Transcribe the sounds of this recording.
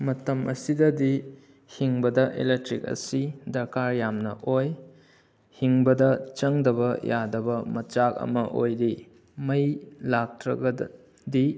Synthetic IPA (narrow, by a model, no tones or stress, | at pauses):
mɐtɐmʔɐ̰sidɐdi | hiŋbɐdɐʔḛlek̚tɾik̚ɐ̰sidɐɾkaɾjamnɐ̰ʔoj | hiŋbɐdɐt͡ʃɐŋdɐβɐjadɐbɐmɐt͡ʃak̚ɐ̰mɐʔo̰jɾi | mɐjlak̚tɾɐ̰ɡɐ | di